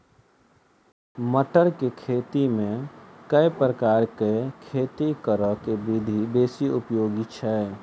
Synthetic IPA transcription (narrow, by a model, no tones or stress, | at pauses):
məʈəɾkekʰeːt̪imẽkəjpɾəkaːɾkekʰeːt̪ikəɾəkebid̪ʱibeːsiʊpjoːɡit͡ʃʰɛ